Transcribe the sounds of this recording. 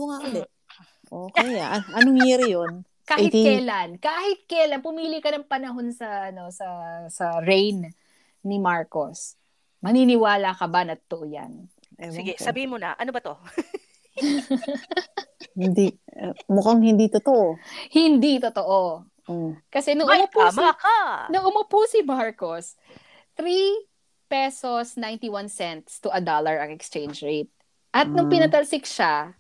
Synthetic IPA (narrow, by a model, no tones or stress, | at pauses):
oŋakɐlɛ | ʔoːkɛjaʔʔɐnoŋhɛɾɪjon | kaːhɪt̪ijlankaːhɪt̪̚kɐjlanpʊmiːlɪkɐnɐŋpɐnɐɦo̞nsɐɐno̞sɐsɐɹɛjn | nɪmaɹkos | mɐninɪwaːlakɐbanɐt̪ot̪oʔoja̰n | ʔɛsɪɡɛsɐbiːhɪnmonɐ̰ʔɐnobɐt̪o | hɪnd̪imʊkaŋhɪnd̪it̪ot̪oʔohɪnd̪it̪ot̪oʔo | okɐsɛnʊŋʊmʊpamakanʊŋʔʊmopusɪmaɹkos | t̪ɾi | pɛsosnajnt̪iwansɛnt̪st̪ʊʔɐd̪olɐɹɐŋɛkst͡ʃejnd͡ʒɹejt̪̚ | ʔɐt̪̚nʊŋpɪnɐt̪ɐlsɪk̚ʃa